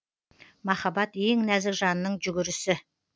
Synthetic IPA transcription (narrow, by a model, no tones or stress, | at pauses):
mɑχɑbɑt̪jeŋnæzɪkʒɑnnːəɴʒʏɡʲɪɾɪsɪ